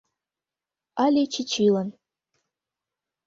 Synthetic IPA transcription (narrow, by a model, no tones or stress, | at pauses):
alʲet͡ʃʰit͡ʃʰilan